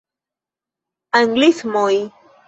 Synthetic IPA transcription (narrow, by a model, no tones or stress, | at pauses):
aŋɡlismoj